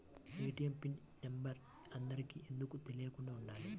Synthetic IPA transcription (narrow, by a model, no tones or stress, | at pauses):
miːʈijɐmpinnembɐɾ | ɐnd̪ɐɾikiːʔe̞nd̪ukut̪e̞lijɐkuɳɖaːuɳːaːli